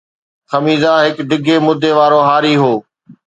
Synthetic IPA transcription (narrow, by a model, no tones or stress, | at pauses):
xɐmiːzãɦɪkɖɪɡʱemʊd̪ʱːeʋaːɾoɦaːɾiːɦoː